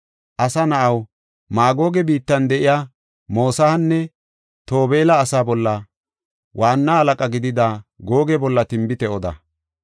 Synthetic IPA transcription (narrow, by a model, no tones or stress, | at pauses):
ʔɐsɐnɐʔɐw | maːɡo̞ːɡɛbiːt̪ːɐnd̪ɛʔɪjaː | mo̞ːsɐhɐnːɛ | t̪o̞ːbe̞ːlɐːsaːbɔlːɐ | wʔaːnːaɐlɐkʼɐɡɪd̪ɪd̪aɡo̞ːɡɛbɔlːɐt̪ɪmbɪt̪ɛɔd̪ɐ̰